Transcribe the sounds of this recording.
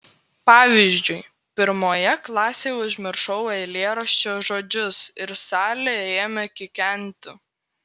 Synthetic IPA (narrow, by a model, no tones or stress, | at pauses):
pɑːʋʲiʒʲd͡ʒʲʊɪ | pʲɪɾmoːjɛklˠɑːsʲejʊʒʲmʲɪɾʃɐʊɛɪlʲeːɾɐʃʲt͡ʃʲoːʒoːd͡ʒʲʊsɪɾsɑːlʲejɛeːmʲɛkʲɪkʲɛˑnʲˑt̪ʲʊ